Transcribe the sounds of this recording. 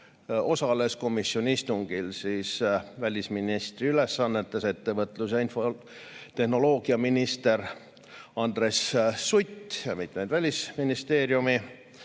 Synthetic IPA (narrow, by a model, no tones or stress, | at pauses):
o̞sɑle̞sko̞misːionʲiist̪uŋɡ̥ilsiːsvælʲisminist̪riyle̞sːɑnːet̪ːˑese̞t̪ːe̞vɤt̪ˑluse̞info̞ | t̪e̞hno̞lo̞ːɡ̥iɑminist̪e̞ɾ | ɑnd̪̥ɾe̞sːut̪jɑmit̪mejd̪vælʲisminist̪e̞ːɾjumi